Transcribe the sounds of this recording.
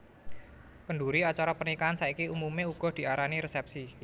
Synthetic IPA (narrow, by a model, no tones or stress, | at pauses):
kəɳɖuɾiat͡ʃaɾɔpərnikaansaikiumumeuɡ̥ɔ̤hd̪̥i̤ʔaɾaniɾesɛp̚si